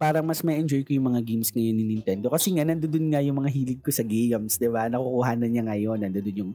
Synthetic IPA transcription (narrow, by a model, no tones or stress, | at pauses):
paːɾɐŋmɐsmɐʔɛnd͡ʒojkojʊŋmɐŋaɡimsŋɐjonːɪnɪnt̪ɛnd̪o̞kɐsɛŋanɐnd̪od̪ʊnŋɐjʊŋmɐŋaɦiːlɪd̪̚kosɐɡejɐmsd̪ɪbanɐkukuɦaːnɐnɲɐŋɐjo̞nːɐnd̪od̪ʊnjʊŋ